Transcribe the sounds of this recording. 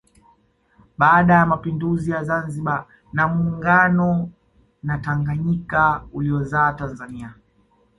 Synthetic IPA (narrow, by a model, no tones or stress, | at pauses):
ɓaːɗajamapinduzijazanziɓa | namuːŋɡanɔ | nataŋɡaɲikauliɔzaːtanzania